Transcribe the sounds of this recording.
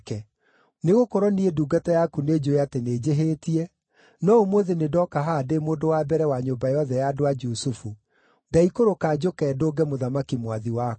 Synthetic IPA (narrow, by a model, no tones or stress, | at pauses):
kɛ | neɣokoɾɔnieduːɡatajakuned͡ʒoeateneːd͡ʑeɦetiɛ | nɔomwoðenedɔkaɦademoːndowabɛɾɛwaɲombajɔðɛjadoad͡ʒusufu | daikoɾokaːd͡ʑokɛːdoːɡɛmoðamakimwaðiwa